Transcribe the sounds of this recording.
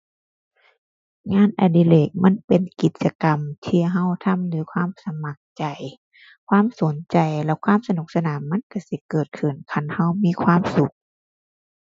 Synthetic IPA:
ŋaː˧˥˨nʔa˨˧˩diː˧˨leː˧˩k̚ma˧˥˨npe˨nki˨˦t̪̚t͡ɕa˧ka˨mt̪ʰiː˧ɦa˧˥˨wt̪ʰa˧˥˨mlɯː˨˦kʰwaː˧˥˨msa˧ma˧˦k̚t͡ɕa˨˩j | kʰwaː˧˥˨mso˨˦nt͡ɕa˨jlɛ˧˩kʰwaː˧˥˨msa˧nu˨˩k̚sa˧naː˨˦mːa˧˥˨nka˧˩si˧˦kɤː˨˩t̪̚kʰɯ˨˩nkʰa˧˩nha˧˩˨wmiː˧˥˨kʰwaː˧˥˨msu˧˦k̚

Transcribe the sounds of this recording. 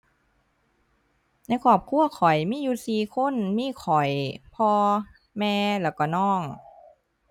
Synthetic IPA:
na˧˥˨jkʰɔː˧˩p̚kʰu˧˥˩ɐkʰɔ˨˩˦jmiː˧˥˨juː˧˩siː˨˧˦kʰo˧˥˨nmiː˧˥˨kʰɔ˨˩˦jpʰɔː˧ | mɛː˧lɛː˧˩wkɔ˧˩nɔː˧˥˩ŋ

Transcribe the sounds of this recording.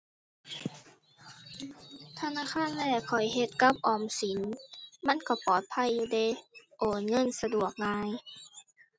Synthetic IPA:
t̪ʰa˧naː˧˥˨xʰaː˧˥˨nlɛː˧˩kʰɔ˨˩jɦe˧˦t̪̚ka˧˥p̚ʔɔː˨˩msi˨˦nma˧˥˨nka˧˩pɔː˨˩t̪̚pʰa˧˥˨jːuː˧˩de˧˩˦ʔoː˨˩nŋɤ˧˥˨nsa˧du˨˩ək̚laː˧˥j

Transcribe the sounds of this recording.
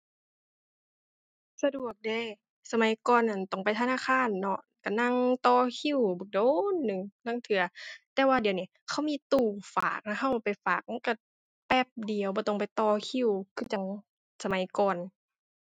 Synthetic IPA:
sa˧du˨˩ək̚da˧˩j | sa˧ma˨˦jkɔː˧˨nʔa˨nt̪ɔ˧˩ŋpa˨jt̪ʰa˧naː˧˥˨xʰaː˧˥˨nːɔ˧˩ | ka˧˩na˧˨ŋt̪ɔː˧˩kʰi˧˥˨wbɯ˨˩˦k̚doː˧˨nːɯ˨ŋna˧˥˨ŋt̪ʰɯ˨˧˦ɐt̪ɛː˧˦waː˧di˨˩əwni˧˨kʰa˧˥˩wmiː˧˥˨t̪uː˧˩fa̰ː˨˩k̚na˧hʰa˧˩wpa˨jfaː˨˩k̚m˧˥˨nka˧˩ | pɛ˧˩p̚di˨əwbɔː˧˦t̪ɔ˧˩ŋpa˨jt̪ɔː˧˩kʰi˧˥˨wkʰɯ˧˩t͡ɕa˧ŋ | sa˧ma˨˦jkɔː˧˨n

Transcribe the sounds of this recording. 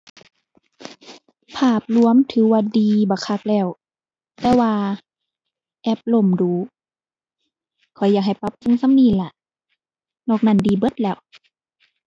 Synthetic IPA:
pʰaː˧˩p̚lu˧əmt̪ʰɯː˨˦waː˧˩diː˨˧bɔː˧˦kʰa˧˩k̚lɛː˧˩˨w | t̪ɛː˧waː˧ | ʔɛː˧˥p̚lo˧˩˨mduː˨˦ | kʰɔ˨˩jːaː˧˩k̚ɦa˨˩jpa˧˦p̚ki˧˥˨ŋsa˧˥˨mniː˧˨la˧˩ʔ | nɔː˧˩k̚na˧˩˨ndiː˨bɤ˧˦t̪̚lɛː˧˩w

